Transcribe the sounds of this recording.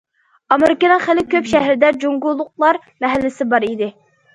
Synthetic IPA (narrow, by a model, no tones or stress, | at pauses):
ɑmeɾɪkənɨŋχɪlɪkʲʰøpʃɛɦɾɪd̪ɛd͡ʒoŋɡʊlˠːʊq̚lˠɑɾ | mɛɦælːɪsɪbɑɾid̪ɪ